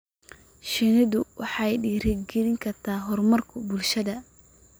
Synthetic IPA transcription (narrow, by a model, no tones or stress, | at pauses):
ʃɪnɪðʊwɑħɑjɖiːɾɪɡɪɾɪŋkʰɐrt̪ʰaːɦɔrmɐrkʰʊbʊlʃɐðɐ